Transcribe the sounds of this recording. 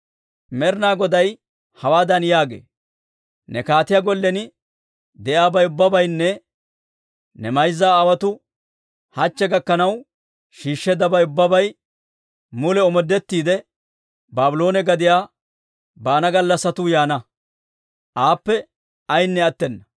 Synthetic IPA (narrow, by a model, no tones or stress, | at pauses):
mɛɾnaːɡɔd̪ɐj | hɐwaːd̪ɐnjaːɡḛː | nɛkaːt̪ɪjaɡɔlːɛnɪ | d̪ɛʔaːbɐjʊbːɐbɐjnːɛ | nɛmɐjzːaːwɐt̪ʊ | hɐt͡ʃːɛɡɐkːɐnɐw | ʃiːʃːɛd̪ɐbɐjʊbːɐbɐj | mʊlɛɔmɔd̪ːɛt̪ːiːd̪ɛ | baːbʊloːnɛɡɐd̪ɪjaː | baːnɐɡɐlːɐsɐt̪ʊjaːnɐ | ʔaːpːɛ | ɐjnːɛɐt̪ːɛnːɐ